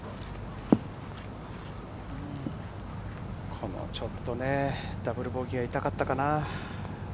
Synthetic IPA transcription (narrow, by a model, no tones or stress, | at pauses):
ɯ | kʰo̞no̰t͡ɕo̞t̪ːo̞ne̞d̪̥abɯ̟ɾɯ̟bo̞ːɡʲiɡait̪akat̪ːakana